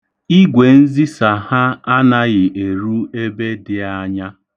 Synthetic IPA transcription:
i˦ɡʷe˨n̩˦zi˦sa˨ha˦a˦na˦ɣɪ˨ʔe˨ɾu˦e˦be˦dɪ˨˦a˦ɲa˦

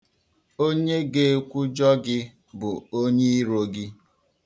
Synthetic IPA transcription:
o˦ɲe˦ɡe˨˦kʷu˦d͡ʒɔ˦ɡɪ˦ | bʊ˨o˦ɲe˦i˦ɾo˨ɡɪ˦

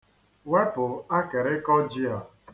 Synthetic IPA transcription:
we˦pʊ˨a˦ke˨ɾɪ˦kɔ˦d͡ʒi˦a˨

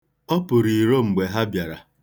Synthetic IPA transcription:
ɔ˦pʊ˨ɾi˨ɾo˦ŋ͡m̩˨ɡ͡be˨ɦa˦bja˨ɾa˨

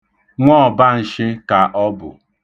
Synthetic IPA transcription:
ŋʷɔ˦˨ba˦n̩˨ʃɪ˦ka˨ʔɔ˦bʊ̰˨

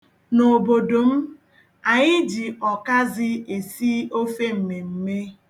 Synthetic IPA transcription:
no˨bo˨do˨m̩˦ | a˨ɲɪ˦d͡ʒi˨ɔ˨ka˦zɪ˦e˨si˦o˦fe˦m̩˨me˨m̩˦me˦

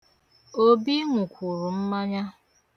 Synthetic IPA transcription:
o˦bi˦ŋʷu˨kʷu˨ɾu˨m̩˦ma˦ɲa˦

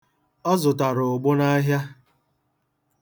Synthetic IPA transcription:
ɔ˦zʊ˨ta˨ɾʊ˨ʊ˨ɡ͡bʊ˦na˦ɦja˦

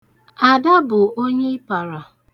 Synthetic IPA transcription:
a˨da˦bʊ˨o˦ɲe˦pa˨ɾa˨

